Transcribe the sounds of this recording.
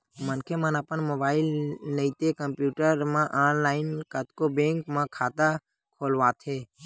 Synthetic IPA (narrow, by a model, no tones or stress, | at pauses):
mənkʰemənəpənmoːbaːɪlnəit̪ekəmpjuːʈəɾmãʔaːnlaːɪnkət̪kobẽːŋkmãkʰaːt̪a | kʰoːlʋaːt̪ʰeː